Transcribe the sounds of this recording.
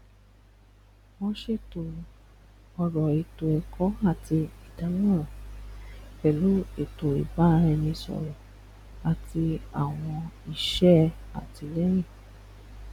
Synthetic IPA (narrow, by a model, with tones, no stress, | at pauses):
wɔ̃˧ʃe˦˨to˨ | ɔ˧ɾɔ˨i˨to˨ɛ˨kʰɔ˦a˦˨ti˧i˨da˨˦nũ˦ɾɔ̃˨ | bɛ˨lu˨˦e˦˨to˨ḭ˨ba˦ɾɛ˧nĩ˧sɔ̰˨ɾɔ̃˨ | a˨ti˧a˨w̃ɔ̃˧i˦˨ʃɛ˦ | a̰˨ti˧lɛ˦jĩ˦˨